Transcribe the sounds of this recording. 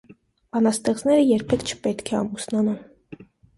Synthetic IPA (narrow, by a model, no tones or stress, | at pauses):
b̥ɑnɑst̪ɛʁt͡snɛɾəjɛɾpʰɛkʰt͡ʃʰə̥pɛt̪kʰɛɑmusnɑnum